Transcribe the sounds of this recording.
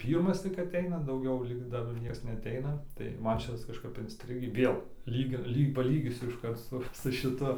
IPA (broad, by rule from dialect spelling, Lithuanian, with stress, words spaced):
ˈpʲiːrmɐs tʲɪk ɐˈtʲɛɪnɐ dɐʊˈɡʲɛʊ lʲiːk ˈdɐr ˈnʲiɛks nʲɛɐˈtʲɛɪnɐ tɐɪ ˈmɐn ˈʃʲɪtɐs kɐʃˈkɐp ɪnʲsʲˈtʲrʲɪɡʲiː ˈʋʲeːlˠ ˈlʲiːk ɪr ˈlʲiːk pɐˈlʲiːɡʲiːsʲʊ ɪʃˈkɐrt sʊ sʊ ʃʲɪˈtʊ